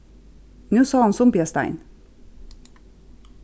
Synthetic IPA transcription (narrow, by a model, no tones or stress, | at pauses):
nʉːsɑːɑnsʊmpeːst̪æ̰ɪn